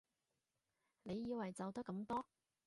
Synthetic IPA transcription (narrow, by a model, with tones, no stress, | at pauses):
ne˨˧jːiː˨˧wɐ˨˩jt͡sɐ˨wt̪ɐ˥kːɐ˨˧˥mt̪ɔː˥